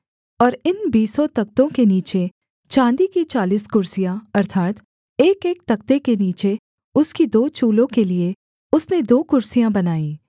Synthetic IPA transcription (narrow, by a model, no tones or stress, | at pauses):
ɔːɾɪnbiːsɔt̪ɐk̚t̪õkeniːt͡ʃe | t͡ʃãːnd̪ikit͡ʃaːliːskʊɾsijãɐɾt̪ʰaːt̪ | eːkeːk̚t̪ɐkt̪ekeniːt͡ʃe | ʊskid̪oːt͡ʃuːlõkelie | ʊsned̪oːkʊɾsijãbɐnaːĩː